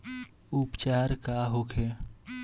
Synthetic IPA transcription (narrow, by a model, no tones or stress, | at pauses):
upt͡ʃaːɾkaɦokʰe